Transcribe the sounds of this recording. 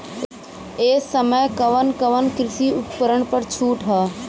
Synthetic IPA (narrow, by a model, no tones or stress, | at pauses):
eːsəməjkəʋənkəʋənkɾɪʃiʊppəɾəɳpəɾt͡ʃʰuːʈɦəː